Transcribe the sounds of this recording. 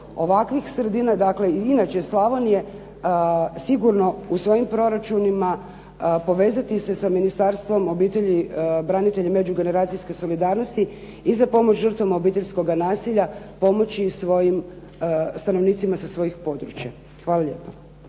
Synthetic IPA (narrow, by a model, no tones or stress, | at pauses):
o̞ʋakʋixsɾed̪iːnad̪akle̞inat͡ʃeslˠaʋonje | siɡuɾno̞usʋo̞jimpɾo̞ɾat͡ʃunima | po̞ʋe̞ːzat̪ise̞saminist̪aɾst̪ʋo̞mo̞biːt̪e̞ʎibɾaːnit̪e̞ʎime̞d͡ʒuɡe̞ne̞ɾaːt̪sijske̞so̞lid̪aɾno̞st̪i | izapo̞mo̞t͡ɕʒr̩t̪ʋamao̞biːt̪e̞ʎʲsko̞ɡanaːsiʎapo̞mo̞t͡ɕisʋo̞jim | st̪ano̞ʋniːt̪simasasʋo̞jixpo̞d̪ɾut͡ɕja | xʋaːlˠaʎʲe̞̰ːpo